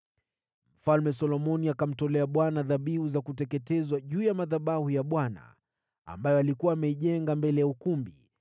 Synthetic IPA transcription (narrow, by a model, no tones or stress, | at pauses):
m̩falmɛsɔlɔmɔniakam̩tɔlɛaɓwanaðaɓihuzakutɛkɛtɛzwaʄuːjamaðaɓahujaɓwana̰ | a̰mbajɔalikuwaːmɛiʄɛŋɡambɛlɛjaukumbḭ